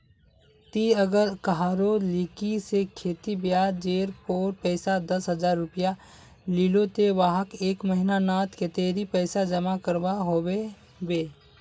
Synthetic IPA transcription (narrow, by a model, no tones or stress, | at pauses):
t̪iəɡəɾkaɦaɾolikisekʰeːt̪ibjaːd͡ʒeːɾpoːɾpəɪsad̪ɐsɦəd͡ʒaːɾːʊpija | lilot̪eʋaːɦəkeːkməɦɪnanaːt̪ket̪eːɾipəɪsad͡ʒəmakəɾwaɦoːwe | beː